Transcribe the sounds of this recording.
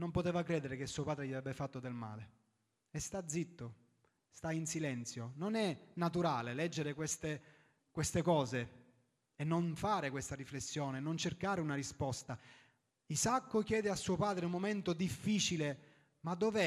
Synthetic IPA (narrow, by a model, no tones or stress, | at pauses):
nompot̪eːvakɾɛːd̪eɾek̟esːuopaːd̪ɾeʎiavɛbːefat̪ːod̪elma̰ːle | est̪ad̪zit̪ːo | st̪ainsilɛnt̪sjononɛnːat̪uɾaːlelɛd͡ʒːeɾekwest̪e | kwest̪ekɔːze | enːonfaːɾekwest̪ariflesːjoːnenont͡ʃerkaːɾeunarispɔst̪a | izakːok̟jɛːd̪easːuːopaːd̪ɾeumːoment̪od̪ifːiːt͡ʃile | mad̪ːovɛ